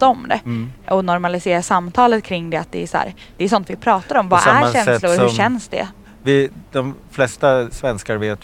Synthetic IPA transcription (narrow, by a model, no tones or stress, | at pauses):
aɔmd̪ɛ̰ɔnɔɾmalɪseːɾasamːt̪ʰɑːlət̪̚kʰɾɪŋːd̪ɛat̪̚d̪ɛæshæ̰ːɾ | d̪̥ɛæs̬ɔnt̪vɪpʰɾɑːt̪aɾɔmvaæ̰ɾɕɛnslʊɾɵɕɛnsd̪ɛ̰ | vɪd̪ɔmflɛst̪asvɛnskaɾveːt̪